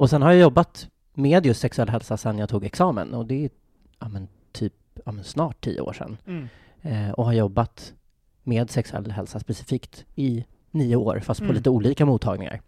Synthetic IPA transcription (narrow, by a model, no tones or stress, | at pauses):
ɔsɛnhaɾjajɔbːat̪ | meːd̪jɵst̪sɛksɵɛlːɦɛlsasɛnːjat̪ʰuːɡɛksɑːmə̰nɔd̪ɛ | amɛn | t̪ʰyːp̚ | ɑːmɛnsnɑːʈʰːḭːə̰o̰ːʂɛ̰nː | ɔhaɾjɔbːat̪ | meːd̪sɛksɵɛ̰lːɦɛ̰lsaspɛsɪ̥fiːkt̪ɪ | niːʊo̰ːɾfast̪̚pʰɔliːt̪əuːliːkamuːt̪ʰːɑ̰ːɡnɪ̰ŋa̰ɾ